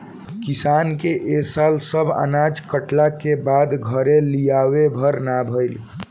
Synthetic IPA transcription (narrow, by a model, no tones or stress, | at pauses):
kisankeʔesalsəbʱa̰nad͡ʒkəʈlakebad̪ɡʱəɾelijawebʱəɾnabʱəɪl